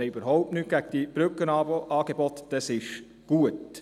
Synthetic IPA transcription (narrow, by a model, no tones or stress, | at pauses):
ɛybəɾɦɔʊp̚tnyt̚ɡ̥æɡ̥̚d̥ib̥ɾʏkənɑːboʔɑːɡ̥ebɔt̪d̥ɛsɪʃ | ɡ̥uət